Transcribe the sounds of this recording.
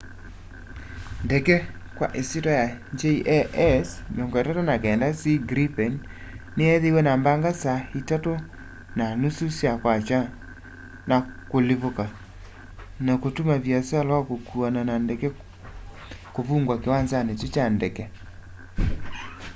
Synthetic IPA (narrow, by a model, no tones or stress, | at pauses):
ndɛkɛkwa̰ʔesitɔjaɲd͡ʒeiʔɛʔɛsnoŋɡɔɛtatɔnakɛːndasiɡɾipɛn | neɛðewɛnambaŋɡasaitato | nanususjakwat͡ʃwa | nakoleβoka | nakotumaβjasalɔkokuananandɛkɛ | koβuːŋɡwakewanzanetot͡ʃandɛkɛ